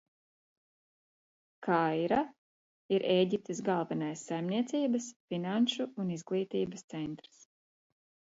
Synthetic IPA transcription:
kʰajɾa | iɾeːɟip̚t̪isɡalˠvɛnajsːajmniɛt̪siːbɐsfinanʃuːnizɡlˠiːt̪iːbəst̪sɛnt̪ɾs

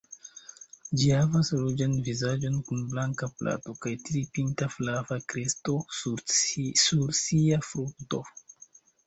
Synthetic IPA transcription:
d͡ʒihavasɾud͡ʒanvizad͡ʒo̞nkunblaŋkapla̰to̞kajtɾipintaflavakɾesto̞ | suɾsiafɾuk̚to̞̰

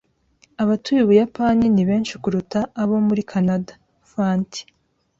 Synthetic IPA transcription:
aβatujuβujapaniniβe̞ːnʃikuɾutaːβo̞muɾikʰanadḁ | faːnti̥

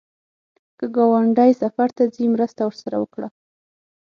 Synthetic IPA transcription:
kəɡawaɳɖajsafaɾt̪ad͡zimɾəst̪awəɾsaɾa̰wəkɽa

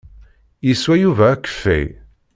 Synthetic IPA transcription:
jiswæjuvæːkːə̥fːḛj

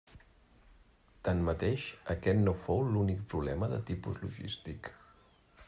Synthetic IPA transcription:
t̪anmət̪eʃəkɛt̪nofowlunik̚pɾuβlɛməðət̪ipṵzlṵʒḭst̪ik

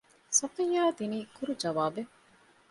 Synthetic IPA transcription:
sɐtiɲjaːd̪iniːkuɾud͡ʒɐʋaːbe

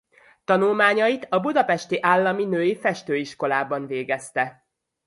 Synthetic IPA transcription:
t̪ɒnulmaːɲɒit̪ɒbud̪ɒpɛʃt̪iʔaːlːɒminøːjifɛʃt̪øːiʃko̞laːbɒnveːɡɛst̪ɛ

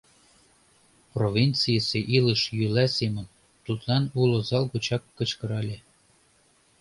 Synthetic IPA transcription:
provʲint͡sɨjəsʲeʔilɤʃjylæsemə̆n | t̪ut̪lˠɑnulŏzɑlˠkut͡ɕɑkːɤ̆t͡ɕkɤ̆ɾɑlʲe

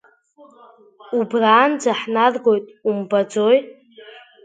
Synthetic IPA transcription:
ubraːnd͡zaħnarɡo̞jtʼumbad͡zoj

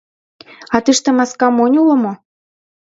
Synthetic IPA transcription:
ɑt̪ɨʃt̪ĕmɑskɑmonʲulɤ̆mo

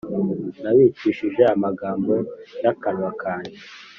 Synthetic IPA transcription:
naβiːt͡ʃiːʃiʒe̞amaɡaːmbo̞jakanwakʰaːɲe

